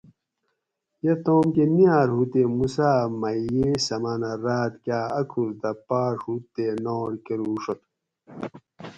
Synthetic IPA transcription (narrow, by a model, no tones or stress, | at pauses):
jet̪oːmkenijaːɾɦuːt̪emusaːmɐjjesɐmaːnɐɾaːt̪kʲaːɐkʰuɾd̪ɐpaːʂhut̪ːenoːɾkeɾuːʂot̪